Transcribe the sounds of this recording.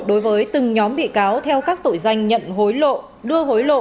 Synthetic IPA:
ɗo˨˦jvəː˨˦jt̪ɨ˨˩ŋɲɔ˨˦mɓḭ˧˨kaː˨˦wt̪ʰɛ˧wkaː˦˥k̚t̪o˧˩jza˧jŋ̟ɲə̰˧˨nɦo˨˦jlo̰˧˨ | ɗɨ˧əɦo˨˦jlo̰˧˨

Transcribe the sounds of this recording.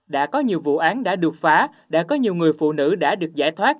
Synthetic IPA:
ɗa̰ː˧˥kɔ˨˦ɲi˨˩əwvṵ˧˨ʔaː˨˦nɗa̰ː˧˥ɗɨ˨˩ək̚faː˨˦ | ɗa̰ː˧˥kɔ˨˦ɲi˨˩əwŋ͡mŋɨ˨˩əjfṵ˧˨nɨ̰˧˥ɗa̰ː˧˥ɗɨ˨˩ək̚zaː˧˩jt̪ʰwaː˦˥t̚

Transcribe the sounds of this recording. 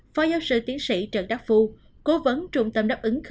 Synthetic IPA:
faː˧˩jzaː˧wsɨ̰˧˨t̪i˨˦ənsḭ˧˨t͡ɕə̰˧˩nɗaː˦˥k̚fu˧ | ko˨˦və˨˦nt͡ɕʊ˨˧˩ŋ͡mt̪ə˧˩mɗaː˦˥p̚ʔɨ˨˦ŋx

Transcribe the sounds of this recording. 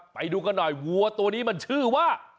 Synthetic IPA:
pa˧jduː˧ka˧nːɔ˨˩jwu˧ɐt̪u˧ɐniː˦˥ma˧nt͡ɕʰɯː˥˩waː˥˩

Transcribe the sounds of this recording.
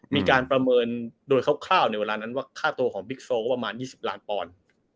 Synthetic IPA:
miː˧kaː˧npɾa˧mɤː˧ndoː˧jkʰa˥˩wkʰlaː˥˩wna˧jweː˧laː˧na˦˥nwaː˥˩kʰaː˥˩t̪u˧ɐkʰɔː˩˦ŋbi˦˥k̚soː˧˥˩pa˧maː˧njiː˥˩si˨˩p̚laː˦˥npɔː˧n

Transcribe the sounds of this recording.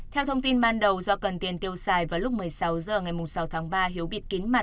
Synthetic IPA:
t̪ʰɛ˧wt̪ʰə˧wŋ͡mt̪i˧nɓaː˧nɗə˨˩wzɔ˧kə˨˩nt̪i˨˩ənt̪i˧əwsaː˧˩jvaː˨˩lʊ˦˥k͡p̚mɨ˨˩əjsa˨˦wzəː˨˩ŋa˨˩jmʊ˨˩ŋ͡msa˨˦wt̪ʰaː˨˦ŋɓaː˧ɦi˨˦əwɓi˧˩ət̚ki˨˦nma˨˩t

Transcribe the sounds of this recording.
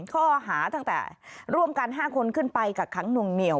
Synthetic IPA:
kʰɔː˥˩ɦaː˩˦t̪a˥˩ŋt̪ɛ̰ː˨˩ɾu˥˩əmka˧nɦaː˥˩kʰo˧nkʰɯ˥˩npa˧jkaː˨˩kʰːa˦˥ŋnu˧˩ŋni˨˩əw

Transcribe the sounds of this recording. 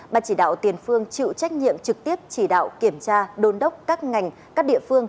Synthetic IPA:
ɓaː˨˩t͡ɕi˧˩ɗa̰ː˧˨wt̪i˨˩ənfɨ˧əŋt͡ɕḭ˧˨t͡ɕa˦˥k̟̚ɲḭ˧˨əmt͡ɕɨ˨˩k̚t̪i˦˥əp̚t͡ɕi˧˩ɗa̰ː˧˨wki˧˩əmt͡ɕaː˧ɗo˨˧nɗə˦˥wk͡p̚kaː˦˥k̚ŋa˨˩jŋ̟ | kaː˦˥k̚ɗḭ˧˨əfɨ˧əŋ

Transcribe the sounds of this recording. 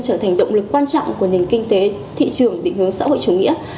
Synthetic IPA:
t͡ɕəː˧˩t̪ʰa˨˩jŋ̟ɗə̰˧˨wŋ͡mlɨ˨˩kːwaː˧nt͡ɕɔ̰˧˨wŋ͡mku˧˩əni˨˩ŋ̟kï˧ŋ̟t̪e˨˦ | t̪ʰḭ˧˨t͡ɕɨ˨˩əŋɗḭ˧˨ŋ̟hɨ˨˦əŋsa̰ː˧˥ho̰˧˨jt͡ɕu˨˩ŋḭ˧˥ə

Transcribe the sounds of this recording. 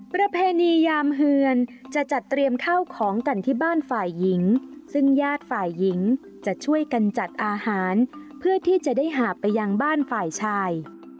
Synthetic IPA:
pɾa˧pʰeː˧niː˧jaː˧mɦɯ˧ənt͡ɕa˨˩t͡ɕa˨˩t̪ːɾi˧əmk̪ʰa˥˩wkʰɔː˩˦ŋka˧nt̪ʰiː˥˩baː˥˩nfaː˨˩jːi˩˦ŋsɯ˥˩ŋjaː˥˩t̪̚faː˨˩jːi˩˦ŋ | t͡ɕa˨˩t͡ɕʰu˥˩əjka˧nt͡ɕa˨˩t̪̚ʔaː˧haː˩˦npʰɯ˥˩ət̪ʰiː˥˩t͡ɕa˨˩daː˥˩jɦaː˨˩˦pa˧jːa˧ŋbaː˥˩nfaː˨˩jt͡ɕʰaː˧j

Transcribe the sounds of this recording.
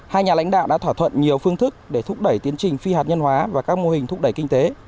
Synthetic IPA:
haː˧jɲaː˨˩la̰˧˥jŋ̟ɗa̰ː˧˨wɗa̰ː˧˥t̪ʰaː˧˩t̪ʰwə̰˧˨nɲi˨˩əwfɨ˧əŋt̪ʰɨ˦˥k̚ɗe˧˩t̪ʰʊ˦˥k͡p̚ɗə˧˩jt̪i˨˦ənt͡ɕï˨˩ŋ̟fi˧aː˨˩t̚ɲə˧nɦwaː˨˦vaː˨˩kaː˦˥k̚mo˧hï˨˩ŋ̟t̪ʰʊ˦˥k͡p̚ɗə˧˩jki˧ŋ̟t̪e˨˦

